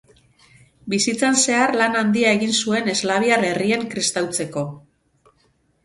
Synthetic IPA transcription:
bisit͡sanse̞arlanand̪iae̞ɣinsue̞ne̞zlaβ̞iaɾe̞rieŋkɾist̪awt͡se̞ko̞

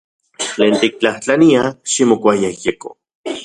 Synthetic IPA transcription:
t͡ɬeːnt̪ik̚t͡ɬaht͡ɬaniaʃimokʷajaijeko̰

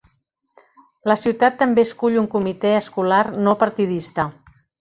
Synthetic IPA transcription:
ləsiwt̪at̪ːəmbeəskuʎuŋkumit̪ɛəskularnopəɾt̪ið̞ist̪ə

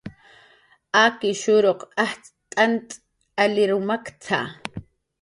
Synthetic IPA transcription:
akɪʃʊɾoqaht͡s | t̪ʼant̪ʼ | alɪɾʊmakt͡sʰa̰

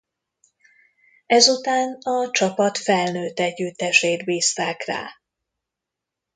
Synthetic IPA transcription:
ɛzut̪aːnɒt͡ʃɒpɒt̪fɛlnøːt̪ːɛɟːyt̪ːɛʃeːt̪biːst̪aːkra̰ː

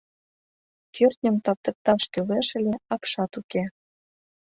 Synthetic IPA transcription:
kʰørt̪ʲnʲə̆mt̪ɑp̚t̪ɤ̆k̚t̪ɑʃkøleʃə̆lʲeɑkʃɑt̪uke

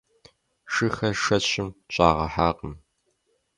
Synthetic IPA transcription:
ʃɨxɐʃɐɕɪmt͡ʃʼaːʁɐħaːqʼəm

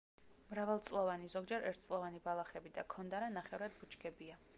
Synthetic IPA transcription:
mɾavɛlˠt̪sʼlˠɔvanizɔɡd͡ʒɛɾɛ̰ɾt̪ʰt̪sʼlˠɔvanibalˠaχɾɛbid̪akʰɔnd̪aɾanaχɛvɾad̪̚but͡ʃɡɛbia

